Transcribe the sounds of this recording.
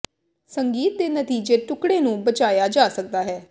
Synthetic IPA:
səŋɡiːt̪̚d̪eːnət̪iːd͡ʒeːʈʊkɽeːnũːbət͡ʃaːjaːd͡ʒaːsək̚d̪aːɦɛː

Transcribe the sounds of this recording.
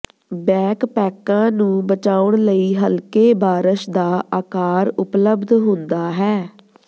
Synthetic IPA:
bɛ̃ːkpɛːkãːnũːbət͡ʃaːʊɳləiːɦəlkeːbaːɾəʃd̪aːʔaːkaːɾʊpləbd̪ɦʊ̃nd̪aːɦɛː

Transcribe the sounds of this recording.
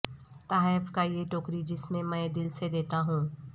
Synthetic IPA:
t̪aːfkajeʈoːkɾid͡ʒɪsmẽmɛ̃ːd̪ɪlsed̪eːt̪aɦũː

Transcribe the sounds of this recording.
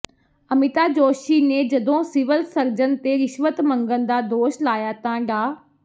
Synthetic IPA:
ɐmɪt̪aːd͡ʒoːʃiːneːd͡ʒɐd̪õːsɪʋəlsəɾd͡ʒənt̪eɾɪʃʋət̪mɐ̃ŋɡənd̪aːd̪oːʃlaːjaːt̪ãɖaː

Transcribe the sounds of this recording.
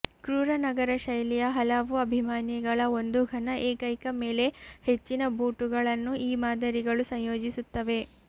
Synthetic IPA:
kɾuːɾɐnɐɡɐɾɐʃɐjlijɐɦɐlɐʋuɐbʱimaːnjiɡɐɭɐo̞nd̪uɡʱɐnɐʔeːkɐjkɐme̞ːle̞he̞t͡ʃːinɐbʱuːʈuɡɐɭɐnːuʔiːmaːd̪ʱɐɾiɡɐɭusɐɲjo̞ːd͡ʒisut̪ːɐʋe̞

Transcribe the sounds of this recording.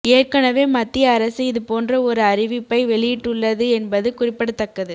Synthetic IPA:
eːrkɐnɐʋeːmɐt̪ːɪjɐːɾɐsɯɪðɯpoːndrɐɔɾɯɐrɪʋɪpːɐɪʋɛɭɪjɪʈːɯɭːɐðɯɛnbɐðɯkʊrɪpːɐɽɯt̪ːɐkːɐðɯ

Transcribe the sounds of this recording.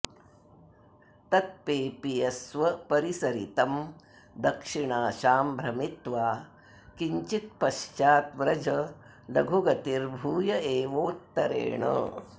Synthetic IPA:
t̪ɐt̪̚peːpijɐsʋɐpɐɾisɐɾḭt̪ɐm | d̪ɐkʂiɳaːʃaːmbʱɾɐmit̪ʋaː | kiɲt͡ʃit̪̚pɐʃt͡ʃaːt̪ʋɾɐd͡ʒɐ | lɐɡʱuɡɐt̪iɾbʱuːjɐeːʋoːt̪ːɐɾḛːɳɐ̰

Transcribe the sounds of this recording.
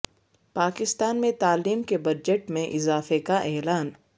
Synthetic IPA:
paːkɪst̪aːnmẽt̪aːliːmkebɐd͡ʒəʈmẽʔɪzaːfekaʔɛːlaːn

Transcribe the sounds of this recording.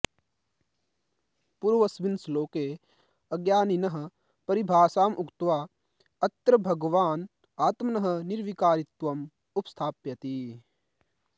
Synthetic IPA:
puɾʋɐsʋinsloːkeː | ɐɡjaːninɐɦɐ̆ | pɐɾibʱaːsaːmʔukt̪ʋaː | ɐt̪ɾɐbʱɐɡʋaːn | aːt̪mɐnɐɦɐ̆niɾʋikaːɾit̪wɐm | upst̪ʰaːpjɐt̪iː

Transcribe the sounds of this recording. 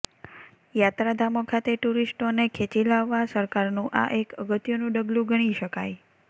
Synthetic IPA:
jat̪ɾad̪ʱamokʰat̪eʈuɾisʈonekʰet͡ʃilaʋːasəɾkaɾnũʔa̰ʔekəɡət̪jonũɖəɡlũɡəɽ̃iʃəkaj

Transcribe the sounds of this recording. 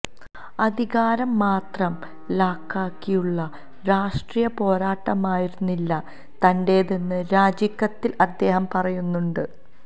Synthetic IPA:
ɐd̪ʱiɣaːɾɐmːaːt̪rɐm | laːkːaːkːijuɭːɐ | ɾaːʂʈrijɐpo̞ːɾaːʈːɐmaːjiɾunːilːɐ | t̪ɐnde̞ːðenːɨɾaːd͡ʑikːɐt̪ːilɐd̪ːe̞ːɦɐmpɐrɐjunːuɳɖɨ

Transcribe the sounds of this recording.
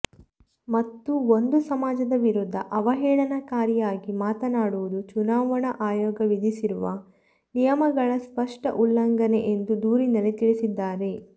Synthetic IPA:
mɐt̪ːuo̞nd̪usɐmaːd͡ʒɐd̪ɐʋiɾud̪ʱːɐʔɐʋɐɦɛːɭɐnɐkaːɾijaːɡimaːt̪ɐnaːɽuʋud̪ut͡ʃunaːʋɐɳɐʔaːjɔːɡɐʋid̪ʱisiɾuʋɐ̰ | nijɐmɐɡɐɭɐspɐʂʈɐʔulːɐŋɡɐne̞ʔend̪ud̪uːɾinɐlit̪iɭisid̪ːaːɾe̞

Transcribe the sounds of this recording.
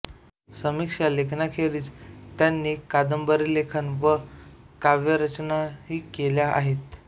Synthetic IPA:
səmikʂalekʰnakʰeɾiːt͡st̪janːiːkad̪əmbəɾiːlekʰənʋə | kaʋjəɾət͡ɕnaɦiːkeljaa̰ɦet̪

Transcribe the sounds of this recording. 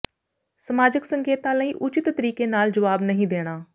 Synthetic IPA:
səmaːd͡ʒɪksəŋkeːt̪ãːləĩːʔʊt͡ʃɪt̪ːəɾiːkeːnaːld͡ʒəʋaːbnəɦĩːd̪eːɽ̃aː

